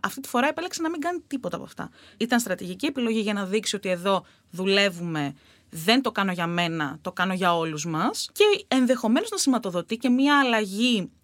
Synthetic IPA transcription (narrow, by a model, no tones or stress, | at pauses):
ɐft̪it̪i̥fo̞ɾɐepeleksenɐmiŋɡɐnit̪ipo̞t̪ɐpoɐ̰ft̪ɐ̰it̪ɐnst̪ɾɐt̪iʝicie̞pilo̞ʝiʝɐnɐðiksio̞t̪ie̞ðo̞ | ðule̞vume̞ | ðe̞nt̪o̞kɐno̞ʝɐme̞nɐt̪o̞kɐno̞ʝɐo̞luzmɐsce̞enðe̞xo̞me̞no̞znɐsimɐt̪o̞ðo̞t̪ice̞mɲɐːlɐʝi